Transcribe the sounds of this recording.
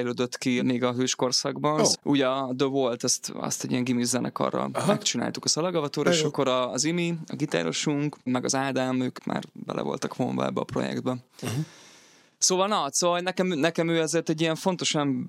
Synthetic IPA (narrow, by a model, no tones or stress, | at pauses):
jløːd̪øt̪kimeːɡɒɦøːʃko̞rsaɡbɒnʔuːɟɒd̪øvolt̪ɛst̪ɛ̰st̪ɛɟijɛŋɡimizzɛnʔɛ̰kɒ̰rːɒ̰ɛkt͡ʃina̰ːlt̪ukɒsɒlɛɡɒvɒt̪oːɾɒeeːʃɒkːo̞ɾɒzimiɒɡit̪a̰ːɾo̞̰ʃuŋkmɛɡɒzaːd̪ɛmøːkmʔa̰ːrbɛ̰lɛ̰vo̞̰lt̪ɒkho̰mbɒ̰ɛ̰bːɛɒpro̞̰jɛ̰ɡd̪̚bɛ | soːvɒlnɒsoːvlnɛkɛmnɛkɛmøːɛzeːrt̪ɛɟːijɛɱfo̞nt̪o̞ʃɒn